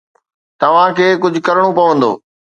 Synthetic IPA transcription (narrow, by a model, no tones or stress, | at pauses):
t̪ɐʋ̤ãkʰeːkʊd͡ʑʱʊkɐɾɽ̃opɐʋə̃nd̪o̰ː